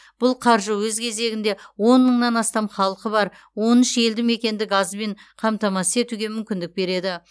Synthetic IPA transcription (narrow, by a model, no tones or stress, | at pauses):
b̥ʊlˠqʰɑɾʒəwɵzkʲʰe̞ze̞ɡʲɪnd̪e̞wo̞nːəɴnɑnɑst̪ɑmχɑlˠqəbɑɾ | wo̞nɪʃe̞ld̪ɪmme̞kʲe̞nd̪ɪɡɑzbe̞ɴqʰɑmt̪ɑmɑse̞t̪uɡʲe̞mʏmkʲɪnd̪ɪk̚be̞ɾe̞d̪ɪ